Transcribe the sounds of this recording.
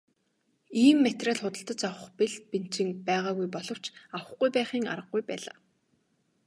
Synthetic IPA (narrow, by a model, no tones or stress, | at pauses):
iːmːet̪raːɮχʊt̪ə̆ɬt̪ə̆t͡sawə̆χpeɮpin̥t͡ɕɪ̆ŋpæːʁaːɣujpɔɮɞ̆w̥t͡ɕawə̆χɡujpæːχiːŋa̰rʁə̆ɡːujpæːɮa̰ː